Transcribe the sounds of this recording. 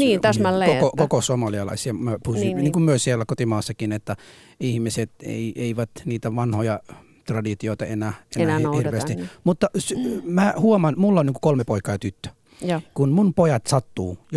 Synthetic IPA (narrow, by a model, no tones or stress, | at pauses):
niːt̪æsmæekokokokosuomɑliɑlɑ̰isiɑmøpuniːkummyøsielːækot̪imɑːsːɑkinet̪ːæ | ihmiset̪ḛieiʋæt̪niːt̪æʋɑnhojɑ | t̪rɑdit̪ioit̪ɑenæːenænːhhirʋeːst̪imut̪ːɑsymæhuomɑnmulːonniːŋku̥kolmepoikɑːjɑt̪yt̪ːø̥ | kunmunpojɑt̪sɑt̪ːuːj